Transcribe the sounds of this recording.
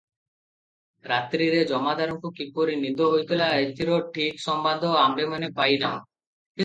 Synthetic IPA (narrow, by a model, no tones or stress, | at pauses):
ɾat̪ɾiɾed͡ʒɔmad̪ʱaɾɔŋkukipoɾinind̪oɦojt̪ʰilaet̪iɾoʈʰiksɔmband̪ʱɔamɾemanepajdamɔ | ki